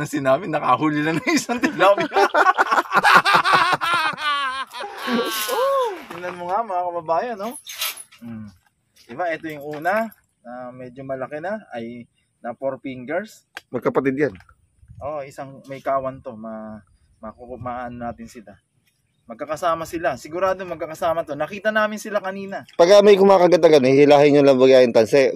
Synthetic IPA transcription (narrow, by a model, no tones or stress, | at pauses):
nɐsɪnaːmɪnːɐkɐhuːlɪnɐnɐŋɪsaŋt̪ɪblamɪ | ʔot̪ɪlɐnmoŋamɐŋakɐbɐbaːjɐno̞ | d̪ɪbaʔɛt̪ojʊŋʔuːnɐ | nɐmɛːd͡ʒomɐlɐkɛnaɐj | nɐpoɾpiŋɡɛɹsmɐɡ̚kɐpɐt̪ɪd̪̚jan | ʔoʔʔɪsaŋmɐjkaːwɐnt̪o̞mɐ | mɐkokmaʔaʔːnonaːt̪ɪnsɪla | mɐɡ̚kɐkɐsaːmɐsɪlasɪɡʊɾaːd̪omɐɡ̚kːɐkɐsaːmɐt̪o̞nɐkiːt̪ɐnaːmɪnsɪlakɐniːnɐpɐɡamɐjkʊmaakɐɡɐt̪ɐɡanhɪhɪlaːhɪɲʊlɐŋbɐɡaːjɪnt̪ɐnsɛ